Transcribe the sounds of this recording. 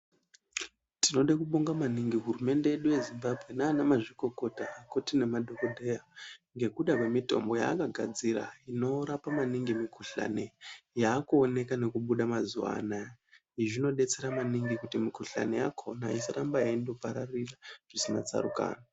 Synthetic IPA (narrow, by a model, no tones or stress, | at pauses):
tino̞ɗakuɓoŋɡamaniŋɡiɦurume̞nde̞eɗuje̞zimbabʱɣe̞naːnamaʐiko̞ko̞taːkotine̞madʱo̞kodʱe̞jaŋɡe̞kuɗakwemito̞̰mbo̞ja̰ːkaɡʱad͡ziɾa̰ino̞ɾapamaniŋɡimikʰuɬa̰ne̞jaːkuːne̞kane̞kuɓuɗamazuʋa̰naɦiʐino̞ɗe̞t͡se̞ɾamaniŋɡikutimikuɬa̰ne̞ja̰kʰo̞naisaɾambajaindo̞paɾariraʐ̥isina̰t͡sa̰rṵka̰ːna